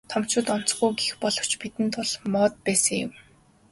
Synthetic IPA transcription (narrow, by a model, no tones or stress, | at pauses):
t̪ʰɔm̥t͡ɕʊ̆ːt̪ɔn̥t͡sɡujɡixpɔɮɞ̆w̥t͡ɕpit̪ɘ̆nt̪ʊɮmɔːt̪̚pæːsə̆ŋjʊ̰̆m